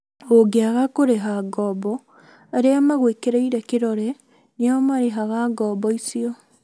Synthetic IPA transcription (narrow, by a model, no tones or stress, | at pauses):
oɡeaɣakoɾeɦaɡɔːbɔ | aɾeamaɣwekeɾeiɾɛkeɾɔɾɛ | neaomaɾeɦaɣaɡɔːbɔisiɔ